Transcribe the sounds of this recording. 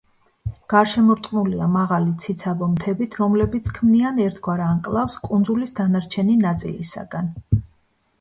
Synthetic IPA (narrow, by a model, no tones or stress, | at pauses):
ɡ̥aɾʃɛmɔɾt̪ʼnuliamaʁalit̪sʰit̪sʰabɔmt̪ʰɛbit̪ʰɾɔmlɛbit̪sʰkʰmnianɛɾt̪ʰɡwaɾanqʼlˠafskʼund̪zulisd̪anaɾt͡ʃʰɛninat̪sʼḭlḭsa̰ɡan